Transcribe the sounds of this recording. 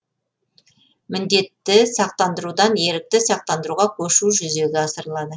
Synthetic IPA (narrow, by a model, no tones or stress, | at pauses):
mɪnd̪e̞t̪ːɪsɑq̚t̪ɑnd̪əɾud̪ɑnje̞ɾɪk̚t̪ɪsɑq̚t̪ɑnd̪əɾuʁɑkʲʰɵʃuʒʏze̞ɡʲɪɑsəɾəlˠɑd̪ə